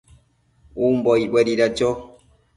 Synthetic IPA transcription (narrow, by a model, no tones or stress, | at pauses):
umbɔiɓɛɾiɾad͡ʒɔ